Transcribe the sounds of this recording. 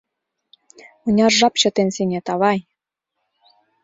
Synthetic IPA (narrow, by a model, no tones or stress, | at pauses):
unʲɑrʒɑpt͡ɕɤ̆t̪enseŋʲet̪ɑβɑj